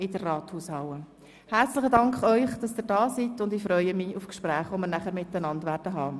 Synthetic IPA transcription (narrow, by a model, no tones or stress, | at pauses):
ɪdərːɑːthuːshɑwə | hært͡slɪχədɑŋkχœʏχd̥ɑsɪːɾdɑːsitʊndɪfɾœʏəmiʊfkʃpɾæːχʋoməɾnæχəɾmɪtːənɑndʋæːɾd̥əɦɑː